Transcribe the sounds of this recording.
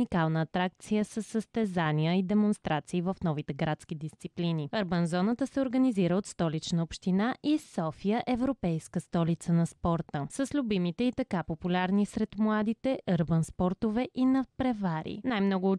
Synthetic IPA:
ikalˠnəːt̪ɾak̚t̪sijəsəsːəst̪ɛzaniəid̪ɛmonst̪ɾʔat̪siːvəfnɔvit̪ɛɡɾat̪sk̟id̪ist̪sipliniəɾbənzɔnət̪əsɛoɾɡəniziɾəot̪st̪ɔlit͡ʃnəopʃt̪inaʔisɔfijəʔɛvɾopɛjskəst̪ɔlit̪sənɐspɔɾt̪əsəslʲubimit̪ɛit̪ɐkapopulʲaɾnisɾɛt̪mlˠad̪it̪ɛʔəɾbənspɔɾt̪ovɛʔinɐpɾɛvaɾḭnajmnɔɡʊː

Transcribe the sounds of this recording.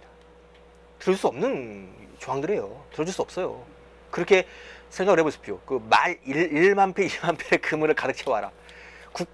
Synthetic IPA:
tɯɾʌd͡ʑus͈uʌmnɯnt͡ɕoaŋdɯɾe̞jotɯɾʌd͡ʑuɭs͈uʌp̚s͈ʌjo̰ | kɯɾʌkʰe̞sʰeŋɡaɡɯɦe̞bosʰɯ̥pʰijokɯmaɾiɭiɭmanpʰeiɭmampʰeɾekɯmɯɾɯɭkadɯk̚t͡ɕʰewɦaɾa̰ | kuk

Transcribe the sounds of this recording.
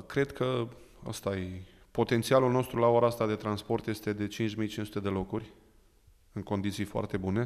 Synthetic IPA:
kɾe̞d̪kʰə | ə̰st̪aje | po̞t̪ent̪sialulno̞st̪ɾulaoɾaast̪ad̪e̞t̪ɾanspo̞rt̪je̞st̪e̞d̪e̞t͡ʃint͡ʃmijt͡ʃinsu̥t̪e̞d̪e̞lo̞kurʲ | ɨŋko̞nd̪it̪sijfoa̰rt̪e̞bune̞

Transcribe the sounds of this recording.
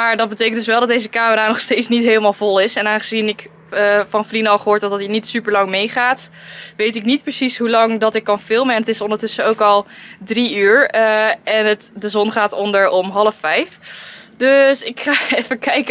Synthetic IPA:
maːɹdɑt̚bətejkəndɵsʋɛlˠdɑt̚dejzəkaːməɾaːnɔχstejtsnitɦeːləmaːlˠvɔlˠɪsɛnaːnχəzinɪkː | vɑnflinəɑlˠχəɦoːɹt̚ɔtdtinitsypəɹlɑŋmejχaːtʋejtɪknit̚prəsisɦulɑŋdɑtɪkːɑnfɪlˠməɛnətɪsɔndəɹtɵsəowkɑlˠdriyːɹ | ɛnətdəzɔnχaːtɔndəɹɔmɦɑləfɛjfdøsɪkχaːɛfəkɛjk

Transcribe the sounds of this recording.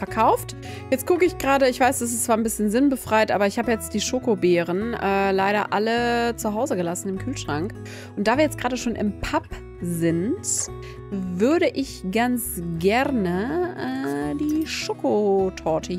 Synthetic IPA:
fɛɐkʰaʊft | jɛt͡stkʊkəɪçɡ̥ʁaːɾəɪçv̥aɪsd̥as̬ɪst͡sv̥aːɐnbɪsçənzɪnbəfʁ̥aɪtʔa̰ːbɐɪçhaːbəjɛt͡std̥iːʃoːkobɛːʁ̞ənʔɛːlaɪɾɐʔalət͡suɦaʊzəɡəlasn̩ɪmkʰyːlʃʁ̥aŋk | ʔʊntd̥aːviːɐjɛt͡stɡ̥ʁaːɾəʃoːnʔɪ̰mpʰap | zɪnt | vʏɐɾəʔɪçɡ̥ant͡sɡɛʁnəɛːdiːʃoːkotʰɔɐtʰə

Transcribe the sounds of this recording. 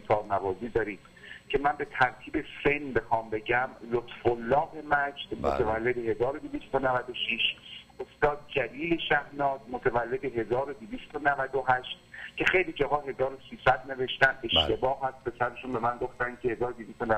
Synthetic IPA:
t̪ʰɒːbnævɒːziːd̪ɒːɾiːd̪̥ | cʰe̞mænbe̞t̪ʰæɾt̪ʰiːbe̞fenbe̞xɒːmbe̞ɟæmlot̪folːɒːhe̞mæd͡ʒd̪̥mot̪ʰevælːe̞d̪ehe̞zɒːɾo̞d̪evist̪onævæd̪oʃiʃ | ost̪ɒːd̪̚d͡ʒæliːleʃæhnɒːz̥mot̪ʰævælːe̞d̪eɦe̞zɒːɾo̞d̪ivist̪onævæd̪oɦæʃt̪̚cʰe̞xe̞jliːd͡ʒɒɦɒːɦe̞zɒːɾosiːsæd̪ne̞ve̞ʃt̪æne̞ʃt̪e̞bɒːhːæst̪̚pʰe̞sæɾeʃunbe̞mænɡo̞ft̪æn̥kʰe̞he̞zɒːɾod̪iviːst̪onæ

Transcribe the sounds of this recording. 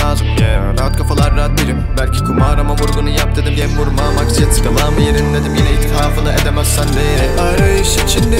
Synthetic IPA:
aːzɯmjɛ̰ɾaɦat̪kʰafalˠaɾɾaɦat̪̚beɾimbælʲcʰi̥kʰumaːɾamamuɾɡunujap̚d̪ed̪ɯmɟembuɾmaːmaksjat̪ʰkalˠaːmɯjeɾinlʲed̪imjenɛit̪ʰkaːfɯnaʔed̪emæz̥sænveɾɛaɾajʃit͡ʃʰind̪i

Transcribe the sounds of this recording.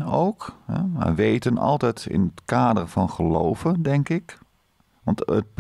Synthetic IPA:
owkɦɛ̰ma̰ʋejtənɑ̰lˠtɛjtɪ̰nətkaːdərvɑnχəlo̰wvəndɛŋkɪk | ʋɑntə̰t̚p

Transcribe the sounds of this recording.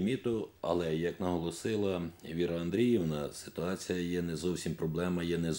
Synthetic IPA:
mʲit̪ʊɐ̰lˠɛjɐknɐɦɔlˠɔsɪlˠɐʋʲiɾɐɐnd̪ɾʲijiwnɐsɪ̥t̪ʊɑt͡sʲijɐjɛnɛzɔwsʲimpɾɔblˠɛmɐjɛnɛz

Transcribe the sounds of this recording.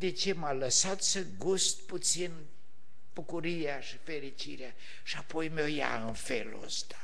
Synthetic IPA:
d̪et͡ʃe̞maləsat̪səɡust̪̚put̪sin | b̥ukuɾijaʃifeɾit͡ʃiɾea | ʃiapo̞jmoja̰ɨnfelə̰st̪ḁ

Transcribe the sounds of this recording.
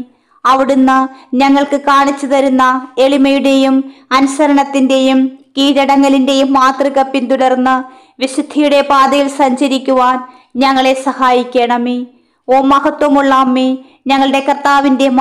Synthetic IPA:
ɐʋiɽunːɨɲɐŋːɐɭkɨkaːɳit͡ɕːuðɐɾunːɐe̞ɭimɐjuɽe̞jumɐnusɐɾɐɳɐt̪ːinde̞jumkiːɾɐɽɐŋːɐlinde̞jumːaːt̪rikɐpːint̪uɽɐrnːɨ | ʋisud̪ʱijuɽe̞paːd̪ɐjilsɐɲd͡ʑɐɾikʲːuʋaːn | ɲɐŋːɐɭe̞sɐhaːjikʲːe̞ːɳɐmi | oːmɐhɐt̪wɐmuɭːɐmːi | ɲɐŋːɐɭɽe̞kɐrt̪ːaːʋinde̞m

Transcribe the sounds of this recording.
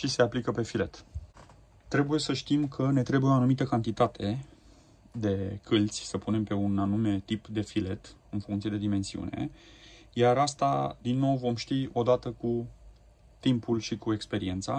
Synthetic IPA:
ʃise̞aplikəpe̞file̞t̪ | t̪ːɾe̞buje̞səʃt̪imkʰəne̞t̪ɾe̞bujeoanumit̪əkant̪it̪at̪ʰe̞ | d̪e̞kʰɨlt̪sʲsəpune̞mpe̞unanume̞t̪ipd̪e̞file̞t̪ɨnfuŋkt̪sije̞d̪ed̪ime̞nsiṵne̞̰ | jaɾast̪a̰d̪inːo̞wvo̞mʃt̪io̞d̪at̪əku | t̪impulʃikue̞kspe̞ɾie̞nt̪sa̰

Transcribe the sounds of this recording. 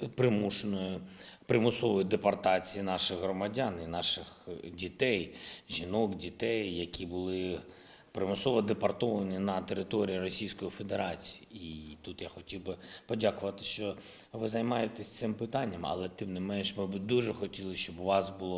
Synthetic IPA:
pɾɪmuʃenɔjʊpɾɪmʊsɔʋɔjid̪epɐrt̪ɑt͡sʲijinɑʃɪɣɦɾɔmɐdʲaninɑʃɪxdʲit̪ɛjʒʲinɔkdʲit̪ɛjːɐkʲʰibʊlˠɪ | pɾɪmʊsɔʋɔd̪epɐrt̪ɔʋɐnʲinɐt̪eɾɪt̪ɔɾʲijirɔsʲijsʲkɔjifed̪eɾɑt͡sʲi̥iit̪ut̪jaxɔtʲiwbɪpɔdʲakʊʋɐt̪ɪ̥ʃt͡ʃɔ | ʋɪzɐjmɑjet̪esʲt̪sɪmpɪt̪ɑnʲːɐmɐ̰lˠɛt̪ɪmnɪmɛnʃmɪbɪd̪uʒɛxɔtʲilˠɪʃt͡ʃɔbʊʋɑsbʊlˠɔ

